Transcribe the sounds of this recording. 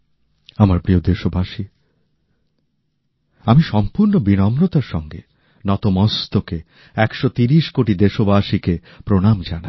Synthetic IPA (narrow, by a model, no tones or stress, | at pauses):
amaɾpɾiod̪eʃobaʃi | amiʃɔmpuɾnobinɔmɾot̪aɾʃɔŋɡḛ | nɔt̪omɔst̪oke | ɛkʃot̪iɾiʃkoʈid̪eʃobaʃike | pɾonamd͡ʑana